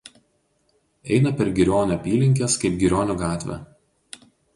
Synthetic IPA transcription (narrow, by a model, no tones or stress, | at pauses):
ɛɪnɐpʲɛɾɡʲɪɾʲoːnʲoɐpʲiːlʲɪŋʲkʲeskɐɪp̚ɡʲɪɾʲoːnʲuɡɑːt̪ʲʋʲɛ̰